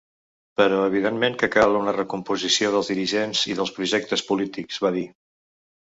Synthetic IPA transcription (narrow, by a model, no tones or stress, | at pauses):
pəɾɔəβ̞iðenmeŋkəkalˠunərəkumpuzisioð̞əlzðiɾiʒenz̥iðəlˠspɾuʒɛk̚t̪əspulit̪ikzβaði